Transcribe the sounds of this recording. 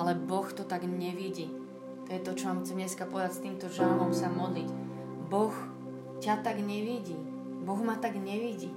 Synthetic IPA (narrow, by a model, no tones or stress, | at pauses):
alɛbɔxt̪ɔt̪aɡɲɛʋiɟi | t̪ɔjɛt̪ɔt͡ʃɔmaːmxt͡sɛmɲɛskapɔɛd̪acst̪iːmt̪ɔʒalmɔmsamɔd̪lic | bɔx | cat̪aɡɲɛʋiɟi | bɔɣmat̪aɡɲɛʋiɟi